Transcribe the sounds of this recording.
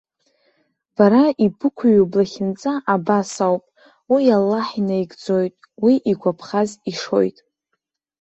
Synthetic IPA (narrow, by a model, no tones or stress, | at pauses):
b̥aɾaibɨkʷʰaɥublaχʲɪnt͡sʼaʔabasawpʼ | wijalːaħinajɡd͡zo̞jtʼ | wiʔiɡʷapʰχaziʂo̞̰jtʼ